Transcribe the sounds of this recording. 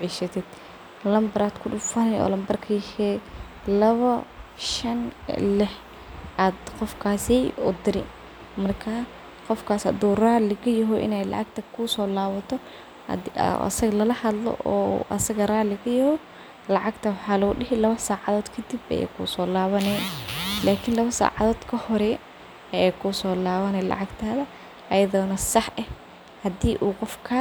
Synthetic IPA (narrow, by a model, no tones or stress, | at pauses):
ʕiʃɐt̪ʰɪd̪̥ | lɐmbɐɾaːd̪kʰʊɗʊfɐɾɛɔ̰ːlɐmbɐrkʰɐjɛhɛː | lɐβɐʃɐnlɪħ | ʔaːd̪qɔfkʰaːsɛʊ̰d̪ɪɾɪ̰ | mɐrkʰa | qɔfkʰaːsɐ̰d̪uːraːlɪɣɐjɛɦɔʔɪ̰nɛjlɑ̰ʕɑɡ̚t̪ʰɐkʰusɔːlaːβɐt̪ʰɔ̰ | ɐ̰sɐɣɐlɐlɐhɐd̪lɔ̰ʔɔ̰ːʔɐ̰sɐɣɐraːlɪɣɐjɐhɔ | lɑʕɑɡt̪ʰɐwɑħɑːlɔʊɖɪɦɪlɐβɐsaːʕɑðɔːd̪kʰɐd̪ibɐ̰jɛ̰kʰṵːsɔːlaːβɐnɛːlaːkʰɪnlɐβɐsa̰ːʕɑðɔːd̪̥kʰɐhɔɾɛ | ɐjɛjkʰuːsɔːlaːβɐnɛlɑ̰ʕɑɡt̪ʰaːðɐ | ʔɐjɐðɔːnɐsɑħɛ | hɐd̪iːʔuːqɔfkʰɐ